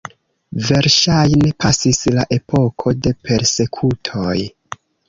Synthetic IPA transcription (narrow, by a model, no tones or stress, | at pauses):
ve̞ɾʃajne̞pʰasislaʔe̞pʰo̞kʰo̞de̞pʰe̞ɾse̞kʰutʰo̞j